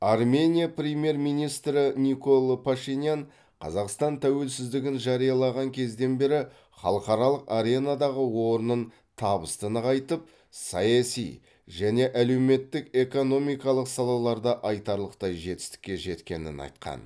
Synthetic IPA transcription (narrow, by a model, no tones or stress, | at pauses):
ɑrmʲe̞nʲijaprʲemje̞ɾmijnijst̪ɾɪniko̞lˠpʰaʃinʲjan | qʰɑ̰zɑqst̪ɑnt̪ʰæwe̞lsɪzd̪ɪɡʲɪnʒɑɾijɑlˠɑʁɑŋkʲʰe̞zd̪e̞nbe̞ɾɪ | χɑ̰lˠəqɑɾɑlˠəqaɾe̞nad̪ɑʁəwo̞ɾənən | t̪ʰɑbəst̪ənəqʰɑjt̪əp̚ | sɑjɑsḭj | ʒæne̞ʔæle̞wme̞t̪ːɪke̞ko̞no̞mijkɑlˠəqsɑlˠɑlˠɑɾd̪ɑʔɑjt̪ɑɾlˠəqt̪ɑjʒe̞t̪ɪ̥st̪ɪ̥kʲːe̞ʒe̞t̪kʲe̞̰nɪ̰nɑ̰jt̪qɑ̰n